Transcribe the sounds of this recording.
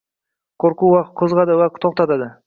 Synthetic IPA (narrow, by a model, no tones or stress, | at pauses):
kʰoɾkuwɑqt̪̚kʰɵzʁɑd̪əwæqt̪ʰoq̚t̪ɑt̪ɑd̪ə